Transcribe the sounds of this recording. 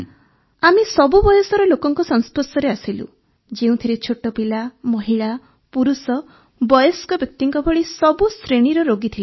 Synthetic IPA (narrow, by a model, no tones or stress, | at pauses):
amisɔbubɔjɔsɔɾɔlokɔŋkɔsɔŋ̃sposɔɾeasilṵ | d͡ʒeũt̪ʰiɾet͡ʃʰoʈɔpilamɔɦiɭa | puɾusɔ | bɔjɔskɔbjɔk̚t̪iŋkɔbʱɔɭisɔbusɾeɽ̃iɾɔɾoɡit̪ʰil